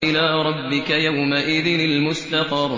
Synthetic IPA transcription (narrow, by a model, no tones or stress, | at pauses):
ʔɪlaːɾˤɑbːɪkajawmaʔɪðɪnɪlmʊst̪ɑfɑɾˤ